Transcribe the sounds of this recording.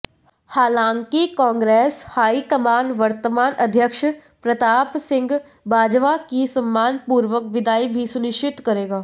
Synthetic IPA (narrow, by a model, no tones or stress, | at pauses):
haːlãːŋkikãːŋɡɾeːshaːikəmaːnʋɐɾt̪əmaːnʔɐd̪ʱjəkʃ | pɾɐt̪aːpsɪ̃ŋɡ | baːd͡ʒʋakisɐmːaːnpuːɾʋəkʋɪd̪ʱaːibʱisʊnɪʃt͡ʃɪt̪kɐɾeːɡaː